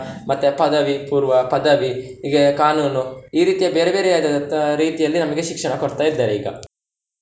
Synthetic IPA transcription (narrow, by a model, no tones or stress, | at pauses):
mɐt̪ːepɐd̪ɐʋipuːɾʋɐpɐd̪ɐʋiiɡekaːnuːnuiːɾiːt̪ijɐbeːɾebeːɾeaːd̪ɐɐɾiːt̪ijɐlːinɐmɐɡeʃikʂɐɳɐkoɽt̪aːjid̪ːɐɾeḭːɡɐ̰